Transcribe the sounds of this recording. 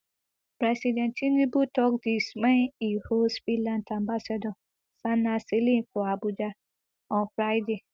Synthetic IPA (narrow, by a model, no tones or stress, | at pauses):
pɾɛsidɛ̃ntʰĩnĩbutʰɔk̚dismɛ̃nihosfilãntãmbasɛdɔ̃ | sãnːaselĩkʊabud͡ʒa | ɔ̃nfɾajde